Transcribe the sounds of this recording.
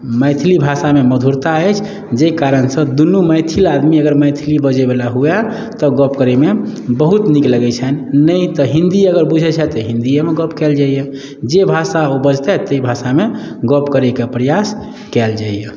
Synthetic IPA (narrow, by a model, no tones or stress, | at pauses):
məjt̪ʰilibʱasameməd̪ʱuɾt̪aɛt͡ʃʰ | d͡ʒekaɾənsə̃d̪unuməjt̪ʰilad̪miəɡəɾmət̪ʰilibəd͡ʒebelaɦuɛ | t̪ɔɡəpkəɾemebəɦut̪nikləɡɛt͡ʃʰɛnnəjt̪ɔɦĩnd̪iəɡəɾbud͡ʒʱɛt͡ʃʰɛt̪ɔɦĩnd̪ijemeɡɔpkɛld͡ʒaije | d͡ʒebʱasaobəd͡ʒʱt̪ɛt̪əibʱasameɡəpkəɾɛkepɾəjas | kɛld͡ʒaije